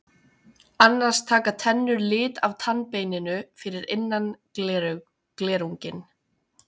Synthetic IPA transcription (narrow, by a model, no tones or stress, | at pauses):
anːaɾ̥st̪ʰaːkat̪ʰɛnːʏɾlɪːt̪avt̪ʰanpeːjnɪnʏfɪɾɪɾenːan | klɛːɾuɲcɪn